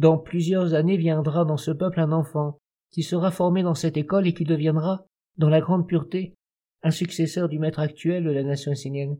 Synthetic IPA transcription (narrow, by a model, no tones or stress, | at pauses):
d̪ɑ̃plyzjœʁzanevjɛ̃d̪ʁad̪ɑ̃səpœplɛ̃nɑ̃fɑ̃ | kʲisəʁafɔʁmed̪ɑ̃sɛt̪ekɔlekʲid̪əvjɛ̃d̪ʁa | d̪ɑ̃laɡʁɑ̃d̪̚pyʁt̪e | ɛ̃syksesœʁd̪ymɛt̪χakt̪ɥɛld̪əlanasjɔ̃esenjɛn